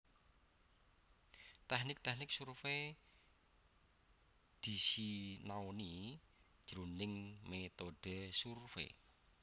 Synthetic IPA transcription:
t̪ɛhnɪk̚t̪ɛhnɪk̚surfe | d̪̥isinaoni | d̥ʒ̥ɾunɪŋmet̪oɖ̥e̤surfḛ

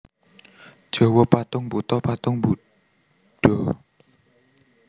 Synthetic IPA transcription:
d̥ʒ̥ɔ̤wɔpat̪ʊŋbut̪ɔpat̪ʊŋbu | ɖ̥ɔ

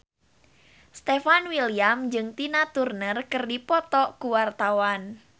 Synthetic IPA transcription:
st̪efanwiliamd͡ʒɨŋt̪inat̪urnərkərdipɔt̪ɔkuwart̪awan

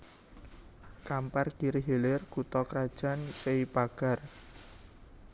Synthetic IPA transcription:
kamparɡ̥iɾeɦelɪrkut̪ɔkəɾad̥ʒ̥a̤nseipaɡ̥a̤r

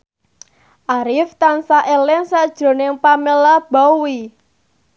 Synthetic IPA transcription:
ʔaɾɪft̪ansaʔelɪŋsad̥ʒ̥ɾo̤nɪŋpamelab̥awi

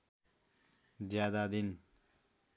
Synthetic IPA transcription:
d͡ʒjad̪ad̪in

